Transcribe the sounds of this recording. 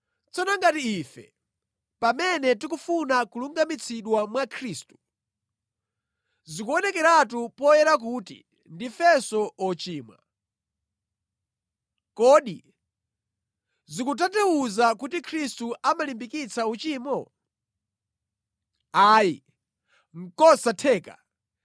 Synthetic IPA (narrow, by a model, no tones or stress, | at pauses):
t͡sʰɔnaŋɡatiːfɛ̰ | pamɛnɛt̬ikufunakuluŋɡamit͡sʰiɗwamwakʰɾiːstu̥ | zikuɔnɛkɛɾatupɔjɛɾak̬uːtḭ | ndifɛsɔɔt͡ʃiːmwa̰ | kɔːɗḭ | zikut̬atɛwuzakutikʰɾistuʔamalimbikit͡sʰaut͡ʃiːmɔ | aːji | ŋ̩kɔsatʰɛːka